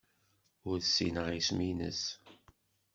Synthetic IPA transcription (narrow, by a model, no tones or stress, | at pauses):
ʊɾðsːḭnəʁisminə̰s